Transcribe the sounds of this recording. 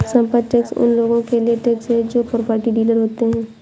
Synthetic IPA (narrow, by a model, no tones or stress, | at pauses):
sɐ̃mpəd̪ʈɛːksʊ̰nloːɡõkelieʈeːksed͡ʒoːpopəɾʈiɖiːləɾɦoːt̪eɦɛ̃ː